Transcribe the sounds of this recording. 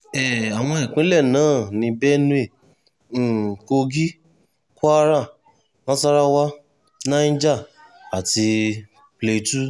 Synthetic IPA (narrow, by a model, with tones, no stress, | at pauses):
ɛ˨a˨w̃ɔ̃˧ɛ˨k͡pĩ˨˦lɛ˦˨nãː˨˦nĩ˧bɛ˦nũ˦ẽ˦˨ | ko˧ɡi˦ | kɔ˦a˦ɾa˦˨ | nã˦sa˦ɾa˦wa˦ | nã˦d͡ʒa˦˨ | a˨ti˧ | ple˧tu˦